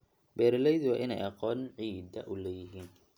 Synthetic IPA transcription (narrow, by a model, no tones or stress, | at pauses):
bɛːɾɪlɛjðwɑːʔɪnɛ̰jɑqɔːnʕiːd̪ɐ̰ʔʊlɛːjɪɦiːn